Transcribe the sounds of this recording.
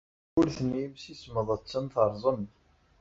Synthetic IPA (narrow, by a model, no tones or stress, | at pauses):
ʊɾθənimsisməðˤət͡sːənθəɾˤzˤən